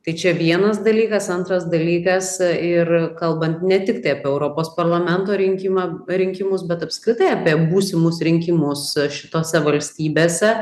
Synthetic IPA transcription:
t̪ɐɪt͡ʃʲɛʋʲiɛnɐs̬d̪ɐlʲiːkɐsɐnt̪ɾɐsd̪ɐlʲiːkɐsɪrkɐlˠbɐnt̪nʲɛt̪ʲɪkt̪ɐɪɐpʲiɛɛʊɾoːpoːspɐrlˠɐmʲɛnt̪oːɾʲɪŋʲkʲɪmɑɾʲɪŋʲkʲɪmʊsbʲɛt̪ɐpskɾʲɪt̪ɐɪɐpʲiɛbuːsʲɪmʊsɾʲɪŋʲkʲɪmʊsʃʲɪ̥t̪oːsʲɛʋɐlʲsʲt̪ʲiːbʲeːsʲɛ

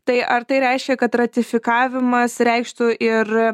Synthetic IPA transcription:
t̪ɐɪʔɐɾt̪ɐɪɾʲɛɪʃʲkʲɛkɐt̪rɐt̪ʲɪfʲɪkɑːʋʲɪmɐsɾʲɛɪkʃt̪ʊʔɪr

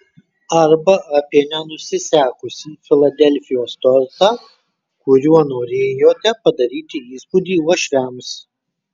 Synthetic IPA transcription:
ɐɾbɐʔɐpʲiɛnʲɛnʊsʲɪsʲæːkʊsʲiːfʲɪlˠɐd̪ʲɛlʲfʲɪjoːst̪ɔɾʲt̪ɑː | kʊɾʲuɔnoːɾʲeːjoːt̪ʲɛpɐd̪ɐɾʲiːt̪ʲɪiːspʊd̪ʲiːɔʃʲʋʲæms

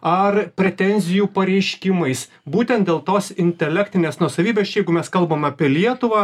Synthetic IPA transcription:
ɐrpʲɾʲɛt̪ʲɛnʲzʲɪjuːpɐɾʲɛɪʃʲkʲɪmɐɪs | buːt̪ʲɛnt̪̚d̪ʲeːlˠt̪oːsɪnʲt̪ʲɛlʲækt̪ʲɪnʲeːsnuɔsɐʋʲiːbʲeːsjɛɪɡʊmʲɛskɐlˠbɐmɐpʲiɛlʲiɛt̪ʊʋɑː

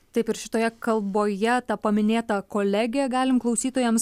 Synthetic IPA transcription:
t̪ɐɪpɪɾʃʲɪ̥t̪oːjɛkɐlˠboːjɛt̪ɐpɐmʲɪnʲeːt̪ɐkoːlʲæɡʲɪɛɡɑːlʲɪmklˠɐʊsʲiːt̪oːjɛms

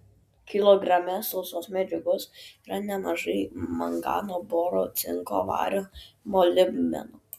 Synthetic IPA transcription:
kʲɪlˠoːɡɾɐmʲɛsɔʊsoːsmʲæd͡ʒʲʊɡosiːɾɐnʲɛmɐʒɐɪmɐ̰ŋɡɑ̰ːnoːboːɾoːt̪sʲɪ̰ŋko̰ʋɑ̰ːɾʲomolʲɪmmʲɛ̰no

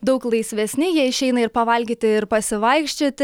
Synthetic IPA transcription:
d̪ɐʊklˠɐɪsʲʋʲɛsʲnʲɪjiɛɪʃʲɛɪnɐɪɾpɐʋɐlʲɡʲiːt̪ʲɪɪɾpɐsʲɪʋɐɪkʃʲt͡ʃʲoːt̪ʲ

